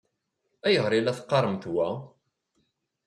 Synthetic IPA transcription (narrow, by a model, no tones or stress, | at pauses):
æjəʁɾilæθqːɑɾˤəmθwæ